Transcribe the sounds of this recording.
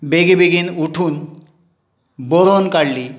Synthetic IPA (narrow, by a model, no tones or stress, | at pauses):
beɡebeɡinuʈʰun | boɾonkaɽli